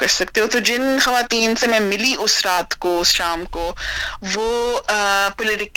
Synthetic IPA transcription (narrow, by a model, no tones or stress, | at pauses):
kɐɾsɐk̚t̪eɦũt̪od͡ʒɪnxɐʋaːt̪iːnsemɛ̃ːmɪliʔʊsɾaːt̪koʊsʃaːmkoʋoː | pʊlɪʈɪk